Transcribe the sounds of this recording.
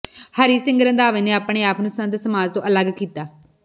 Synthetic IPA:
həɾiːsɪ̃ŋɡəɾə̃nd̪aːʋeːneːaːpɽ̃eːaːpnũːsə̃nd̪səmaːd͡ʒt̪õːʔələɡkiːt̪aː

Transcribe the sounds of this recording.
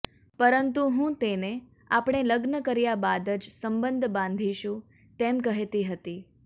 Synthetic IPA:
pəɾənt̪uɦũt̪ene | apɽ̃eləɡnəkəɾjabad̪əd͡ʒsəmbənd̪ʱbãnd̪ʱiʃũ | t̪emkəɦet̪iɦət̪i

